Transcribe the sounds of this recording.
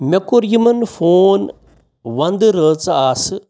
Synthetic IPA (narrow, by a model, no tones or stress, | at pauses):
mʲekuɾjimɐnfʰoːn | ʋɐnd̪ɨɾəːt͡saːsɨ